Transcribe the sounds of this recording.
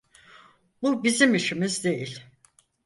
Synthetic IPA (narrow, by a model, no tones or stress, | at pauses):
bubizimiʃimizd̪e̞jilʲ